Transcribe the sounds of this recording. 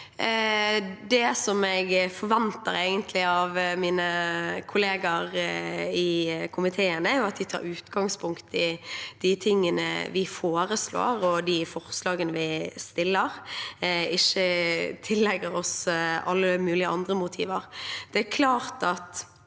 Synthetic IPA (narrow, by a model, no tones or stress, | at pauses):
d̪ɛsɔmɛɪɡfɔɾʋɛnt̪ə̰ɾæɪɡənt̪ʰlɪɑʋmiːnəkʰʊleːɡɑɾɪkʰʊmɪt̪ʰeːənəæɾjʊɑt̪̚d̪ɪt̪ʰɑ̰ːɾʉːt̪ɡɑŋspʰʊŋkt̪ɪd̪̥ɪt̪ʰɪŋːənə̰ʋɪfoːɾəslo̰ːɾɔd̪ɪfɔɾslɑːɡənəʋɪst̪ɪlːəɾ | ɪçːət̪ʰɪlːɛɡəɾɔsɑlːəmʉːlɪəɑnd̪ɾəmʊt̪ʰḭːʋəɾd̪̥ɛæɾkʰlɑːɾt̪ɑt̪